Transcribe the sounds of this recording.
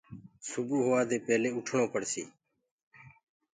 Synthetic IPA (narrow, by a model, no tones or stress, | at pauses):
sʊbuːɦoːaːd̪eːpɛːleːʊʈʰɳõːpəɽsḭː